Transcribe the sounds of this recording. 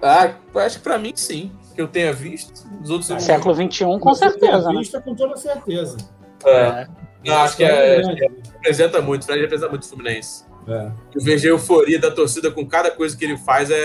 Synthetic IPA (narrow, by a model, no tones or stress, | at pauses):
apaʃʊ̥kɪ̥pɾɐmĩsĩkɪewt̪ẽjɲɐviʃt̪ʊ̥d̪ʊzowt̪ɾzssɛkʊlʊvĩt͡ʃɪũkõseɾt̪ezɐniʃt̪ɐkõt̪od̪ɐseɾt̪ezɐ | ɛnɐ̃w̃aʃʊ̥kɪãhepɾezẽnt̪ɐmũj̃t̪ʊ̥fɾɛ̃d͡ʒhepɾezẽt̪mũt̪ɪfluminẽsɪ̥ | ɛʊveʒejʊfoɾiɐd̪ɐt̪oɾsid̪ɐkõkad̪ɐkojzɐkɪelɪfajzɛ